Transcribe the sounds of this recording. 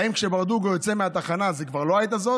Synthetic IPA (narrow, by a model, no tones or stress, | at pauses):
aimkʃebaʁduɡɔjɔt͡sɛmɪataχanazeːkvaːʁloajt̬azo